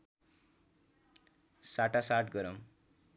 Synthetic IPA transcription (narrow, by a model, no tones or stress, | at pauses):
saʈasaʈɡʌɾʌm